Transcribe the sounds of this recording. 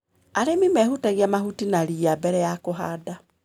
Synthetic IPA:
aɾemimɛhutaɣjamahutinaɾiabɛɾɛjakoɦaːda

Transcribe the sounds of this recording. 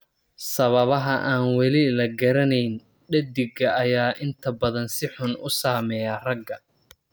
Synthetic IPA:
sɐβɐβɐɦɐʔaːnwɛlɪlɐɡɐɾɐnɛjn | ɖɐd̪ɪɡɐɐjaːʔɪnt̪ʰɐbɐðɐnsɪħʊnʊsaːmɛjarɐɡɐ

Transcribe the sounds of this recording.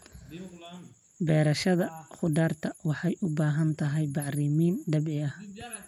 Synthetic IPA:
bɛːɾɐʃɐðɐχʊd̪aːrt̪ʰɐwɑħɑjʔʊbaːɦɐnt̪ʰɐɦɛjbɑʕriːmiːnɖɐbʕɪɐh

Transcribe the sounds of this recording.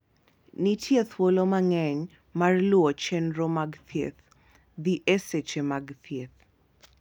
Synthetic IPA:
nitʰjet̪ʰwolomaŋɛɲ | marlwot͡ʃɛnɾomaɡt̪ʰjḛt̪ | d̪iʔeset͡ʃemaɡt̪ʰjet̪

